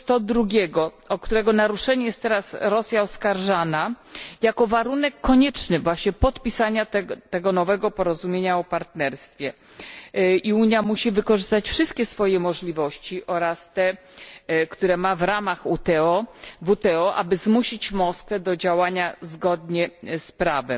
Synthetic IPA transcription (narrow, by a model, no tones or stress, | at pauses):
t̪ɔd̪ɾuɡʲɛɡɔ | ɔkt̪uɾɛɡɔnaɾuʂɛɲɛjɛst̪ːɛɾasɾɔsʲjaɔskaɾʐanajakɔvaɾunɛkːɔɲɛt͡ʂnɘvwaɕɲɛpɔt̪pʲisaɲat̪t̪ɛɡɔnɔvɛɡɔpɔɾɔzumʲjeɲaɔpaɾt̪nɛɾst̪fʲjɛ | iuɲjamuɕivɘkɔʐɘst̪at͡ɕfʂɘst̪̚kʲɛsfɔjɛmɔʐlʲivɔɕt͡ɕiʔɔɾast̪ɛ | kt̪uɾɛmavɾamaxut̪ɛɔvut̪ɛɔʔa̰bɘzmuɕit͡ɕmɔskfɛd̪ɔd͡ʑawaɲazɡɔd̪ɲɛspɾavɛm